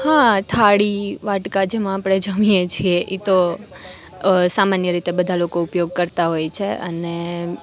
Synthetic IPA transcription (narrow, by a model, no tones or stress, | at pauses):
hãt̪ʰaɽiʋaʈkad͡ʒemãapɽ̃ed͡ʒəʋijet͡ʃʰieʔit̪o | samanjəɾit̪ebəd̪ʱalokoupjoɡ̚kəɾt̪aɦojt͡ʃʰeʔəne